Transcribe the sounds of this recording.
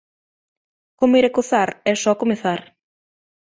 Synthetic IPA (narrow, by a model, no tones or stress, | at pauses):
komiɾakoθaɾɛsɔkomeθaɾ